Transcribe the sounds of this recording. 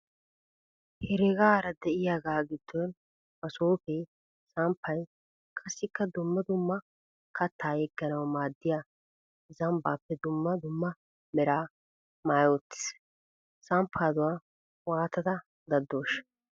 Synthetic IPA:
hɛɾɛɡaːɾɐd̪ɛʔɪjaːɡaːɡɪd̪̥ːon | mɐsoːfɛ | sampʰːɐj | kʰʼɐsːɪkːɐd̪ʊmːɐd̪ʊmːɐ | kʰɐt̪ːaːjɛɡːɐnɐwmaːd̪ːɪjaː | zɐmbaːpːɛd̪ʊmːɐd̪ʊmːɐ | mɛɾaː | maːjoːt̪ːɪ̥s | sampʰːaːd̪ʊwaː | waːt̪ɐd̪ɐ | d̪ɐd̪ːoːʃ

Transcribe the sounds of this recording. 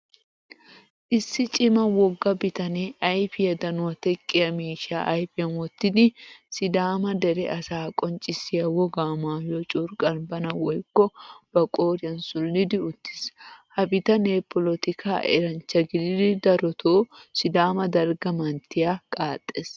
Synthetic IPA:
ʔɪsːɪt͡ʃʼɪmɐwɔɡːɐbɪt̪ɐneːʔɐjfɪjɐd̪ɐnʊwɐt̪ɛkʼːɪjɐmiːʃa̰ːʔɐjfɪjɐnwɔt̪ːɪd̪ɪsɪd̪aːmɐd̪ɛɾɛʔɐsaːkʼɔnt͡ʃʼɪsɪjɐwɔɡaːmaːjot͡ʃʼʊɾkʼɐnbɐnɐwɔjkːɔb̥ɐkʼoːɾɪɐnsʊlːɪd̪ɪʊt̪ːɪ̥shɐbɪt̪ɐneːpɔlɔt̪ɪkʰa̰ːʔɛ̰ɾɐnt͡ʃːɐɡɪd̪ɪd̪ɪd̪ɐɾɔt̪ʰoːsɪd̪aːmɐd̪ɐɾɡɐmɐnt̪ːɪjakʼaːt̪ʼːes

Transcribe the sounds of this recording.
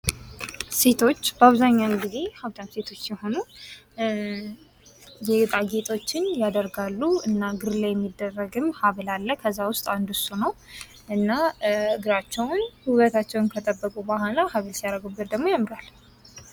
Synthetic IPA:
se̞t̪ʰo̞t͡ʃːbəaβzaɲːawnɡize̞haβt̪ʰʼat̪se̞t̪ʰo̞t͡ʃːjɛho̞nu | jɛt̪ʼaɡet̪ʰʼo̞t͡ʃːɪnjad̪əɾɡalːuʔɨnːaɡɨɾlajɛmːid̪ːərːəɡɨmhaβlalːəkʰəzːawʊst̪ʼand̪usunəw | ʔɨnːaɨɡɨɾat͡ʃːɛwnhuβət̪ʰat͡ʃːɛwnkʰət̪ʼəbːəkʼubahalahaβlsijaɾəɡubɨɾd̪əɡmo̞jamːɨɾal

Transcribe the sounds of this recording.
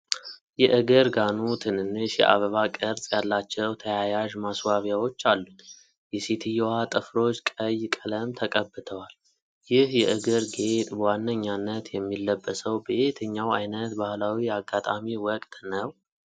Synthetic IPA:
jɛʔɨɡɨɾɡanut̪ʰɨnɨnːɨʃjɛ̰ʔa̰βəβakʼəɾsʼjalːat͡ʃːɛwt̪ʰəjajaʒmaswaβjawo̞t͡ʃːalːut̪ | jɛset̪ʰɨjɛwat̪ʼɨfɾo̞t͡ʃːkʼəjkʼələmt̪ʰəkʼəbːɨt̪ʰəwal | jɪhjɛʔɨɡɨɾɡet̪ʼbəwanːəɲːanːət̪jɛmːilːəbːəsəwbeet̪ʰɨɲːawajnət̪bahlawiaɡat̪ʼamiwɔkʼt̪nəw

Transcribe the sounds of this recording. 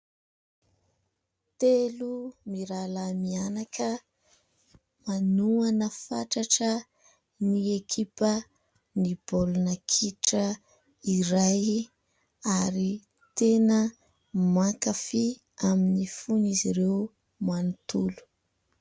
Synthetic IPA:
t̪elumiɾalamianakə | manuanəfa̰ʈ͡ʂaʈ͡ʂə | niekʰipə | nibolunəkʰiʈ͡ʂə | iɾaj | aɾi | t̪enə | makafi | aminifuniziɾew | manut̪ulu̥

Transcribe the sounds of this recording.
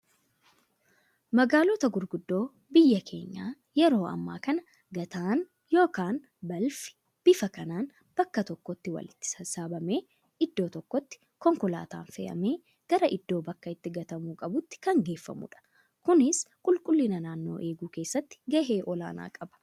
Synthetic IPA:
mɐɡaːlɔt̪ɐɡʊɾɡʊd̪ːo̞ː | bɪjːɐkʰe̞̰ːɲːaː | jɛɾo̞ːɐ̰mːa̰ːkɐnɐ | ɡɐt̪aːn | jo̞ːkaːn | bɐlfɪ̥ | b̥ɪfɐkɐnaːn | b̥ɐkːɐt̪ɔkːɔt̪ːɪwɐ̰lɪt̪ːɪ̥sɐsaːbɐme̞ː | ɪd̪ːo̞ːt̪ɔkːɔt̪ːɪ̥ | kɔŋkʊla̰ːt̪a̰ːnfɛ̰ːʔɐ̰me̞ː | ɡ̥ɐɾɐʔɪd̪ːo̞ːbɐkːɐɪt̪ːɪɡɐt̪ɐmuːkʼɐbʊt̪ːɪ̥kɐŋɡe̞ːfːɐ̰mʊ̰ᶑɐ̥ | kʊnɪskʼʊlkʼʊlːɪnɐnaːnːo̞̰ːʔe̞ːɡuːke̞ːsːɐt̪ːɪ̥ɡɐɦe̞ːʔɔla̰ːna̰ːkʼɐbɐ̥

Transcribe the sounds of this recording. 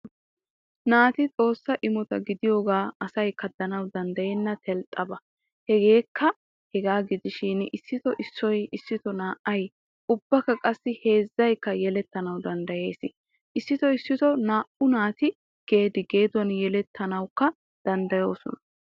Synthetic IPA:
naːt̪ɪt͡sʼo̞ːsːɐʔɪmɔt̪ɐ̰ɡɪd̪ɪjo̞ːɡaːɐsɐjkːɐd̪ɐnɐwd̪ɐnd̪ɐjenːɐt̪ʰɛlt̪ʼːɐbɐ | hɛɡe̞ːkːɐ | hɛɡaːɡɪd̪ɪʃɪnɪsːɪt̪ɔʔɪsːɔjɪsːɪt̪ɔnaːʔɐj | ʔʊbːɐkːɐkʼɐsːɪhe̞ːzːɐjkːɐjɛlɛt̪ːɐnɐwd̪ɐnd̪ɐje̞ːsɪ | ʔɪsːɪt̪ɔɪsːɪt̪ɔnaːʔʊnaːt̪ɪ | ɡ̥e̞ːd̪ɪɡe̞ːd̪ɔnjɛlɛt̪ʰːɐnɐwkːɐ | d̪̥ɐnd̪ɐjo̞ːsɔ̰nɐ

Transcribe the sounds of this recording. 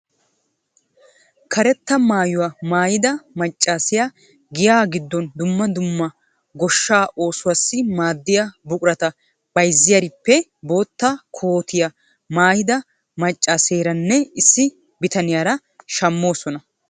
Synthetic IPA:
kʰɐɾɛt̪ːɐmaːjʊwamaːjɪd̪ɐmɐt͡ʃʼːaːsɪja | ɡɪjaːɡɪd̪ːɔnd̪ʊmːɐd̪ʊmːɐ | ɡɔʃːaːʔo̞ːsʊwasːɪmaːd̪ːɪjabʊkʼʊɾɐt̪ɐ | b̥ɐjzːɪjɐɾɪpːɛbo̞ːt̪ːɐkʰo̞ːt̪ɪjɐ | maːjɪd̪ɐ | mɐt͡ʃʼːaːseːɾɐnːɛɪsːɪ | bɪt̪ɐnɪjaːɾɐ | ʃɐmːo̞ːsɔnɐ

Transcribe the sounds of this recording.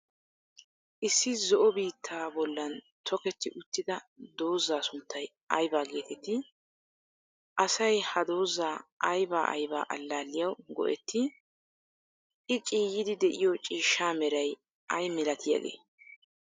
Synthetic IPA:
ʔɪsːɪzɔʔɔbiːt̪ʰːaːbɔlːɐn | t̪ʰɔkɛt̪ːɪʔʊt̪ːɪd̪ɐd̪o̞ːzːaːsʊnt̪ʰːɐj | ʔɐjbaːɡe̞ːt̪ʰɛt̪ːɪ | ʔɐsɐjhɐd̪o̞ːzaːʔɐjbaːʔɐ̰jba̰ːʔɐlːaːlːɪjɐwɡɔ̰ʔɛt̪ːɪ | ʔɪt͡ʃʼiːjɪd̪ɪd̪ɛʔɪjɔt͡ʃʼiːʃːaːmɛɾɐj | ʔɐjmːɪlɐt̪ʰɪja̰ɡḛː

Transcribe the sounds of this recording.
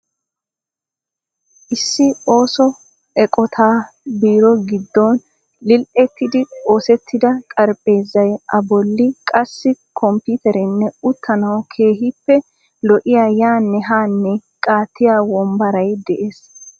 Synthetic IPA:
ʔɪsːɪo̞ːsɔ | ɛkʼɔt̪ʰaːbiːɾɔɡɪd̪ːɔn | lɪlʔɛt̪ːɪd̪ɪo̞ːsɛt̪ʰːɪd̪ɐkʼɐɾpʼe̞ːzːɐjʔɐbɔlːɪkʼɐsːɪkʰɔmpʊt̪ɛɾɛnːɛʊt̪ʰːɐnɐwkʰe̞ːɦɪpːɛ | lɔʔɪjaːjaːnːɛɦaːnːɛkʼaːt̪ːɪjaːwɔmbɐɾɐjd̪ɛʔeːs

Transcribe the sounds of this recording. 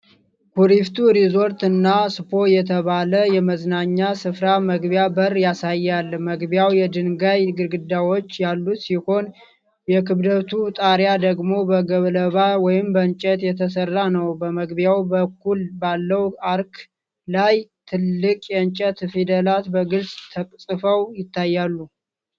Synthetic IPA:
kʰuɾift̪ʰuɾizo̞ɾt̪ɨnːasɨpʰo̞jɛt̪ʰəβaləjɛməznaɲːasɨfɾaməɡbjabərjasajːalːməɡbjawjɛd̪ɨnɡajɡɨɾɡɨd̪ːawo̞t͡ʃːjalːut̪siho̞n | jɛkʰɨβd̪ət̪ʰut̪ʼaɾjad̪əɡmo̞bəɡəβləβawɔjɪmbəɨnt͡ʃʼɛt̪jɛt̪ʰəsərːanəwbəməɡbjawbəkʰːulbalːəwaɾk | lajt̪ʰɨlːɨkʼjɛnt͡ʃʼɛt̪fed̪əlat̪bəɡɨlsʼt̪ʰəkʼsʼɨfəwjɪt̪ʰːajːalːu

